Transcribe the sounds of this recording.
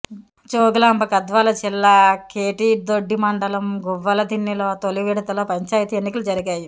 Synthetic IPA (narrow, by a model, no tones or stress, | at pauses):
t͡ʃoːɡlaːmbɐkɐd̪ʋaːlɐt͡ʃilːakeːʈid̪oɖːimɐɳɖɐlɐmɡuʋːɐlɐd̪inːiloːt̪oliʋiːɽɐt̪ɐlɐːpɐɲt͡ʃaːjit̪ienːikɐlud͡ʒɐɾiɡaːji